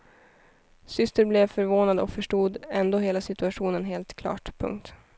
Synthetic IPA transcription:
sʏst̪əɾblɛvfœɾvoːnad̪ɔkfœʂʈuːd̪ɛnd̪oːɦeːlasɪt̪ɵaɧuːnənɦeːlt̪kʰlɑ̰ːʈpʰɵ̰ŋkt̪

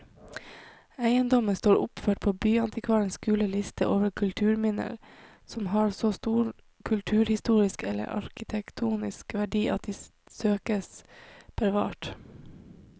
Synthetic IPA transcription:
æɪənd̪ɔməst̪oːɾʊpføːʈ̚pʰoːbyːɑnt̪ɪkʰʋɑːɾənskʉːləlɪst̪ʰə̰ʔoːʋəɾkʰʉlt̪ʰʉːɾmɪnə̰ɾ | sɔmhɑːɾsoːst̪uːɾ | kʰʉlt̪ʰʉːɾhɪst̪uːɾɪskɛlːə̰ɾʔɑ̰ɾkɪt̪ʰɛkt̪ʰuːnɪ̰skʋæɖiːʔɑt̪̚d̪iːsøːkəsb̥æɾʋɑ̰ːʈ

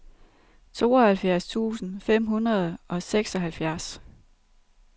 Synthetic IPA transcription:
t͡sʰo̝̰ːɒ̽hælfjæɐst͡sʰṵːsn̩fem̰ɦunɐð̞ˠʔɒ̽seɡ̥sɒ̽ɦælfjæɐs

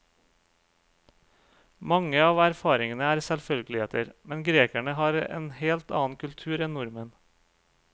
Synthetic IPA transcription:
mɑŋəɑːʋæɾfɑːɾɪŋənəæːɾsɛlfœlɡəlɪheːt̪əɾmɛnɡɾeːkæɳəhɑːɾḛːnheːlt̪ɑ̰ːn̩kʰʉlt̪ʰʉːɾɛnnʊɾmən

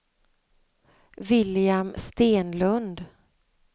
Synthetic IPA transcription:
vɪljamst̪eːnlɵnd̪

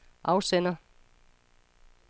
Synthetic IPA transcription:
ʔɑ̈ʊsenɐ

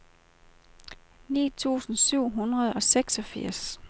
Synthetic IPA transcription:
nḭːt͡sʰṵːsn̩syʊ̰ɦunʁɐð̞̩ˠɒ̽seɡ̥sɒ̽fiɐ̰s

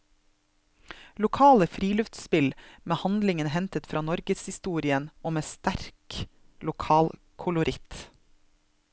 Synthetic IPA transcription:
lʊkʰɑːləfɾiːlœft̪spɪlmeːhɑnd̪lɪŋənhɛnt̪ət̪fɾɑːnɔɾɡəshɪst̪uːɾɪənɔmeːst̪æɾk | lʊkʰɑːl | kʰʊlʊɾʔɪt̪

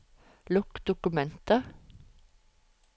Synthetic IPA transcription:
lʊkd̪̥ʊkʉmɛnt̪ə

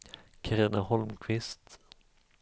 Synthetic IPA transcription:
kʰaɾiːnahɔlmkʰvɪst̪

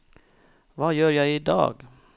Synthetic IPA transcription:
vajœːɾjɑɪd̪ɑ̰ːɡ

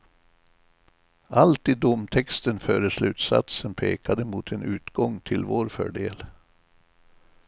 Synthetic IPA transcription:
ʔalt̪ɪd̪ʊmt̪ʰɛkst̪ənfœːɾəʂlʉ̟ːt̪sa̰t̪sənpʰeːkad̪əmʊt̪ʰɛnʉ̟ːt̪ɡɔŋt̪ʰɪlvoːɾfœ̰ːɖeːl

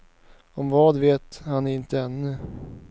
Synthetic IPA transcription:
ɔmvɑːd̪veːt̪hanæɾɪnt̪əɛnːɵ

